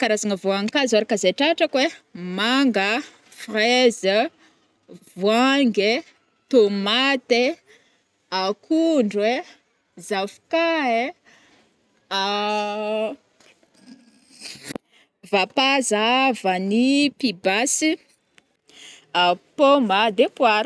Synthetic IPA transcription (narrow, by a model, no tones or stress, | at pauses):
kaɾazaŋəvuaŋkazaɾakazeʈ͡ʂaʈ͡ʂəkwemaŋɡə | frezə | vuaŋɡe | t̪omat̪e | akʰuɳɖ͡ʐwe | zavkae | a | vapazavənipibasi | apomad̪epuaɾ